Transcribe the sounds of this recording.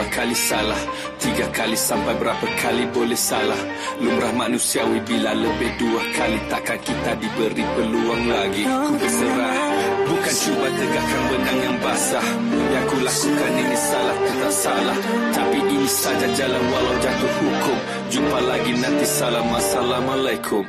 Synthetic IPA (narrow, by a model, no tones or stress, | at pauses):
akalisalah | t̪iɡakalisampajbəɾapakʰalibolɛhsalah | lumɾahmanũsiawibilaləbɪhduakalit̪aʔkankit̪adibəɾipəluaŋlaɡibəsəɾahbukant͡ʃubat̪əɡakanbənaŋjaŋbasah | uɲakulakukanəŋisalaht̪ət̪asalah | t̪apiʔinisad͡ʒad͡ʒalanwalawd͡ʒat̪ʊhukʊm | d͡ʒumpalaɡinãnt̪isalahmãsalahmãlajkʰʊ